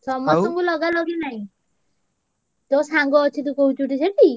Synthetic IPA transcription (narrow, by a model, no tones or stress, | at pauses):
sɔmɔsɔŋkulɔɡalɔɡenaɦj̃ | t̪ɔsaŋɡɔːt͡ʃʰit̪̬ukoɦut͡ʃuʈisʰeʈʰi